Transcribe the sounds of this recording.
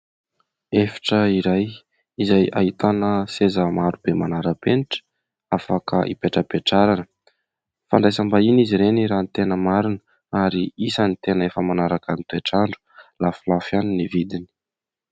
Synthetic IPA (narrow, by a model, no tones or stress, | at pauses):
efi̥ʈ͡ʂəiɾaj | izaja̰it̪anəsezəmaɾubemanaɾəpeniʈ͡ʂə̥ | afakə̰ʔḭpeʈ͡ʂəpeʈ͡ʂaɾanə | faɳɖ͡ʐajsambainiziɾeniɾant̪enəmaɾinə | aɾiisanit̪enəefəmanaɾakamit̪ueʈ͡ʂaɳɖ͡ʐu̥lafulafjaninivid̪ini̥